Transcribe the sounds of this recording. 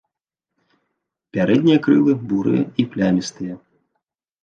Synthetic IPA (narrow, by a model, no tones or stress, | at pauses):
pʲaɾɛd̪ʲnʲijɐkɾɨlˠɨbuɾɨ̰jɐ̰iplʲamʲist̪ɨjɐ